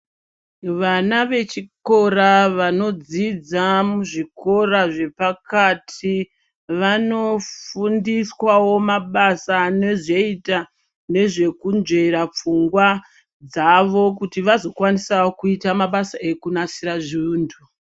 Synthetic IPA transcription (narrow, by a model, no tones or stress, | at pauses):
ʋanaʋe̞t͡ʃiko̞ɾaʋano̞d͡zid͡zamuʐikʰo̞raʐe̞pakatʰi | ʋano̞fundiswawo̞maɓasane̞ʐeita | ne̞ʐe̞kunʐe̞ɾap͡fuŋɡwa | d͡zaʋo̞kutiʋazo̞kwanisaokuitamaɓasaekunasiɾaʐiuːndu